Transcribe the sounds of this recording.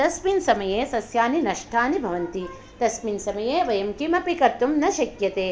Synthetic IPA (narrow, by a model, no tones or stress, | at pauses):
t̪ɐsminsɐmɐjeːsɐsjaːninɐʂʈʰaːnibʱɐʋɐnt̪i | t̪ɐsminsɐmɐjeːʋɐjɐmkimɐpikɐɾt̪umnɐʃɐkjɐt̪eː